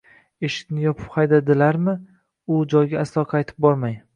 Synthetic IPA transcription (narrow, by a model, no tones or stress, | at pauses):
eʃɪ̥kʲnɪjɒpʰɪ̥phajd̪ad̪ɪlaɾmɪ | ʊd͡ʒɒjɡʲaːslˠɒqʰɑjt̪ʰɪ̥p̚bɒɾmaj